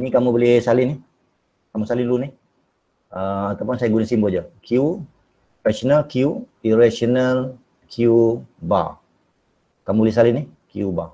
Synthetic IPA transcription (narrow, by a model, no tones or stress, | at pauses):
nĩkamũbolɪsalɪnɪ | kamusalɪnlunɪh | əat̪awpʊnsajaɡunəsimboad͡ʒakʰiu | rasonalkʰiuiɾasional | kʰiuba̰ | kamubolɪhs̬alɪnihkiuba̰